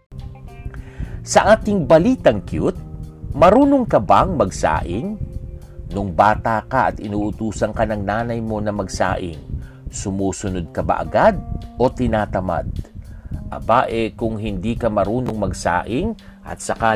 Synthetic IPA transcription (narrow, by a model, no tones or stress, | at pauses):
sɐʔaːt̪ɪŋbɐliːt̪ɐŋkjut̪̚mɐɾuːnoŋkɐbaŋmɐɡsa̰ːʔɪŋ | nʊŋbaːt̪akɐʔɐt̪ɪnuːʔʊt̪uːsɐŋkɐnɐŋnaːnɐjmo̞nɐmɐɡsa̰ːʔɪ̰ŋ | sʊmuːsʊnod̪̚kɐba̰ʔɐ̰ɡad̪̚o̞t̪ɪnaːt̪ɐma̰d̪̚ | ʔɐ̰baʔɛkʊŋɦɪnd̪iːkɐmɐɾuːnoŋmɐɡsa̰ːʔɪŋ | ʔɐ̰t̪̚sɐka